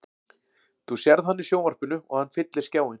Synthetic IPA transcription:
θusjɛɾðhanːɪsjoːwvar̥pʏnʏɔ̰ɣhanːfɪt̪lɪ̥scaːwɪn

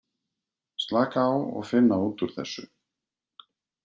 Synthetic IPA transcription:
st̪laːkaːwɔ̰ɣfɪnːaunt̪ʏɾ̥θɛ̰sːʏ̰

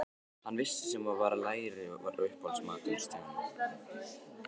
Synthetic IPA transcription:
hanːvɪsːɪ̥sɛmaðvaːɾalaːjɾɪva̰ɾʏhpɔlsmaːt̪i̥st̪aan

